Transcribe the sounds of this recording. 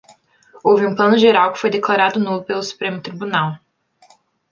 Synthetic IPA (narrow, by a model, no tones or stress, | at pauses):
owvɪũplɐ̃nʊʒeɾawkɪ̥fojd̪eklaɾad̪ʊnopelʊsu̥pɾẽmʊt̪ɾibunaw